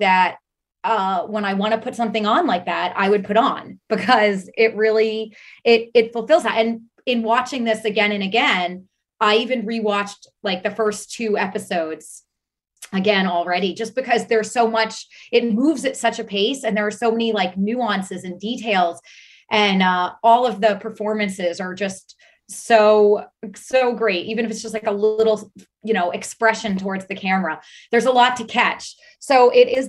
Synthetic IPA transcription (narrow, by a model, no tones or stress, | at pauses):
ðɨt̚ | ʌwə̃ñaɪwɑ̃ɾ̃ɨpʰʊtsʌ̃mθɪ̃ŋə̃nlaɪk̚ðæɾ̚a̰ɪwɨd̚pʰʊɾn̩b̥ɨkʰʌzɪt̚ɹɪlˠiɪɾɪtfl̩ˠfɪlˠzðæɾɨ̃n | ɨ̃nwɑt͡ʃɪ̃ŋðɪsɨɡɛ̃ñɨ̃nɨɡɛ̃n | aɪivɨ̃nɹiwɑt͡ʃtlaɪk̚ðɨfɜ˞stʰʉɛpɨsoʊdz̥ | ɨɡɛ̃nl̩ˠɹɛɾid͡ʒʌsb̥ɨkʰʌzðə˞z̥soʊmʌt͡ʃɨt̚muvzɨtsʌt͡ʃɨpʰeɪsɨ̃nðə˞ːsoʊmɛnilaɪknʉɑ̃nsɨzɨ̃nditʰeɪlˠz̥ | ʔɨ̃nʌɔlˠʌvðɨpʰə˞fɔɹmɨ̃nsɪzə˞d͡ʒʌst | soʊsoʊɡɹeɪt̚ʔivɨ̃ñɨfɨtsdʒ̥ʌst̚ˡlaɪkəlɪɪɾl̩ˠ | jɨɾ̃oʊʔɨkspɹɛʃɨ̃ntʰɔɹdzðɨkʰæmə˞ə | ðə˞zəlɔtʰɨkʰæt͡ʃ | soʊʔɪɾɪz